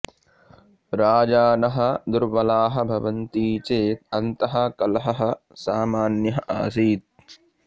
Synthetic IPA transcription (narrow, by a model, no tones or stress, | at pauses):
ɾaːd͡ʒaːnɐɦɐ̆d̪uɾʋɐlaːɦɐ̆bʱɐʋɐnt̪iːt͡ʃeːt̪̚ɐnt̪ɐɦɐ̆kɐlɐɦɐɦɐ̆ | saːmaːnjɐɦɐʔa̰ːs̬iːt̪̚